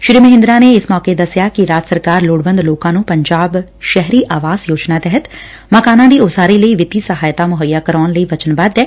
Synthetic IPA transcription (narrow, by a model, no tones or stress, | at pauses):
ʃɾiːməɦɪ̃nd̪ɾãneɪsmɔːked̪ɐsjakiɾaːd͡ʒ̪səɾkaːɾloːɽbə̃nd̪loːkãnũpɐ̃ɲd͡ʒaːbʃɛɦɾiʔaːʋaːzjoːd͡ʒnat̪ɛɦət̪ | məkaːnãd̪iːʊsaːɾiləiʋɪt̪isɐɦaːjt̪amʊɦəjːakəɾɔːnləiʋɐt͡ʃənbaːd̪eː